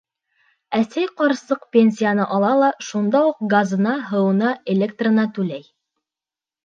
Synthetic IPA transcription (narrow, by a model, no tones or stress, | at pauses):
æsæjqɑɾsɤq̚pʲenʲs̬ʲijanɤʔɑlˠɑlˠɑʃund̪ɑuq̚ɡazɤ̆nɑɦɤ̆wɤ̆nɑelʲekt̪rə̆nɑt̪ʉlæj